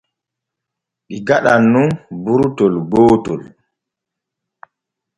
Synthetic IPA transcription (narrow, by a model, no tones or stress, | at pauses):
ɗiɡaɗanːunbuɾtɔlɡoːtɔl